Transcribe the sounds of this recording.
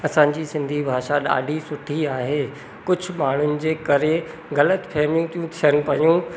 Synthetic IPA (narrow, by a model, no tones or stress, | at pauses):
ɐsã̆ːd͡ʑiːsɪ̃nd̪ʱibʱaːʃaɗa̰ːɖʱisʊʈʰiaːɦeː | kʊd͡ʑʱʊ̆maːɳ̤ʊnɪ̆d͡ʑeːkɐɾe | ɣɐlət̪pʰɛːmijũt̪ʰijũt̪ʰijəñɪ̆pɐjũː